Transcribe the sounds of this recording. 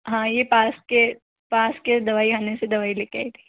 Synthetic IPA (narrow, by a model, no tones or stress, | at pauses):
ɦãːjepaːske | paːsked̪ɐʋaːikaːnesed̪ɐʋaːileːkeaːit̪ʰi̥ː